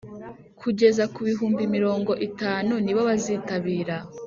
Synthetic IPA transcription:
kʰuɟe̞zakuβiɦuːmbimiɾo̞ːŋɡo̞ʔitaːnuniβoβaziːtaβiːɾa

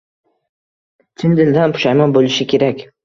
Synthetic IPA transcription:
t̪ʰɪnd̪ɪld̪anpʰʊ̥ʃajmabolɪʃɪkʲʰe̞ɾakʲ

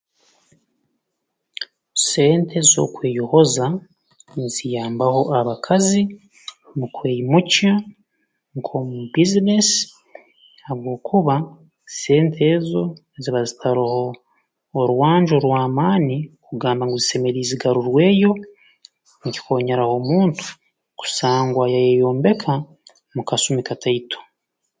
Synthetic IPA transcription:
se̞ːntʰe̞zizo̞̰kwe̞ːjuho̞za | nzijaːmbaho̞ʔaβakʰazi | mukweːjimuca | ŋkʰo̞mubizines | aβɡo̞ːkʰuβa | se̞ːntʰezo̞eziβazitʰaɾuho̞ː | ɾuwaːɲd͡ʒoɾwaːmaːnikuɡaːmbaŋɡuzise̞me̞ɾiːziɡaɾuɾwe̞ːjo̞ | ŋci̥ko̞ːɲaɾaho̞muːntu̥ | ku̥saːŋɡwajajejo̞ːmbe̞kʰa | mukasumikatʰaitʰo̥

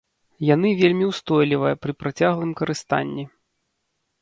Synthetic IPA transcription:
janɨvʲelʲmʲiwst̪ɔjlʲivɐjɐpɾɨpɾat͡sʲaɣlˠɨmkɐɾɨst̪a̰nʲːi

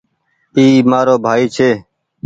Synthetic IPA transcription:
iːmaːɾoːbʱaːiːt͡ʃʰeː

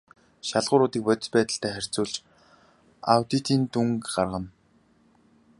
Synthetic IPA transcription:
ʃaɮʁʊːɾʊːt̪iːk̚pʊt̪̆ʲɮpæːt̪ə̆ɬt̪ʰæːχær̥t͡suːɮt͡ɕ | a̰wt̪it̪iːnt̪uŋkɢarʁə̆n

